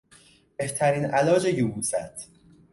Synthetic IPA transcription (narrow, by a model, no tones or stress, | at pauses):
b̥e̞ht̪ʰæɾiːnʔælɒːd͡ʒejubuːsæt̪ʰ